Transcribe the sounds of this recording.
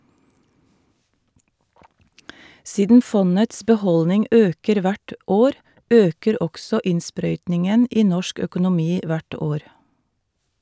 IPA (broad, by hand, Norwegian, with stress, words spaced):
ˈsiːdən ˈfɔnəts bɛˈhɔlnɪŋ ˈøːkəɾ ˈʋæʈ ˈoːɾ ˈøːkəɾ ˈɔksɔ ˈɪnˌspɾœʏtnɪŋən ˈiː ˈnɔʃk œkʊnʊˈmiː ˈʋæʈ ˈoːɾ